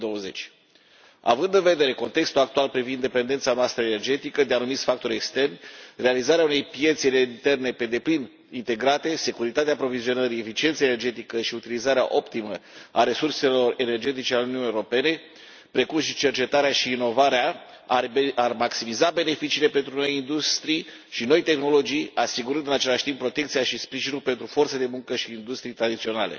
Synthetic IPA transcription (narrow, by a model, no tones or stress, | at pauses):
d̪owəze̞t͡ʃʲ | a̰vɨnd̪ɨnve̞d̪e̞ɾe̞ko̞nt̪e̞kst̪ulak̚t̪ualpɾivind̪e̞pe̞nd̪e̞nt̪sanoast̪ɾəene̞rd͡ʒe̞t̪ikəd̪eanumit̪sʲfak̚t̪o̞ɾʲe̞kst̪e̞rnʲre̞alizaɾeaune̞jpje̞t̪seleint̪e̞rne̞pe̞d̪e̞plin | int̪e̞ɡɾat̪e̞se̞kuɾit̪at̪eapɾo̞vizio̞nəɾie̞fit͡ʃient̪səene̞rd͡ʒe̞t̪ikəʃiut̪ilizaɾea̰ʔo̞pt̪iməaɾe̞surse̞lo̞re̞ne̞rd͡ʒe̞t̪̬it͡ʃe̞aluniuunijeoɾo̞pe̞ne̞ | pɾe̞kumʃit͡ʃe̞rt͡ʃe̞t̪aɾeaʃiːno̞vaɾea | aarmaksimizabe̞ne̞fit͡ʃiːle̞pe̞nt̪ɾuno̞jind̪ust̪ɾij | ʃino̞jt̪e̞xno̞lo̞d͡ʒijasiɡuɾɨnd̪ɨnat͡ʃe̞laʃʲt̪impːɾo̞t̪ekt̪siaʃispɾiʒinulpe̞nt̪ɾufo̞rt̪səad̪e̞muŋkəʃiːnd̪ust̪ɾijt̪ɾad̪it̪sionale̞̰